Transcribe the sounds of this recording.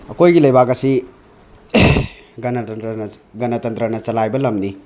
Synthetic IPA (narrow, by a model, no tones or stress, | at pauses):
ɐkojɡilɐjbakɐsi | ɡɐnɐtɐntɾɐnɐ | ɡɐnɐtɐnt̪ɾɐnɐt͡ʃɐlajbɐlɐmni